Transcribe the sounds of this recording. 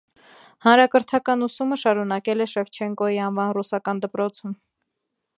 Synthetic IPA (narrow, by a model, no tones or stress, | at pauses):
hɑnɾɑkəɾt̪ʰɑkɑnusuməʃɑɾunɑkɛlɛʃɛft͡ʃʰɛŋkɔjiɑnvɑnrusɑkɑnd̪əpɾɔt͡sʰum